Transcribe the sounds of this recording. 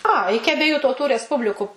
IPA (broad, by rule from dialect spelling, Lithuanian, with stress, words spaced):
ɐ ˈɪkʲɪ ɐbʲiɛˈjuː tɐʊˈtuː rʲɛsˈpʊbʲlʲɪkʊ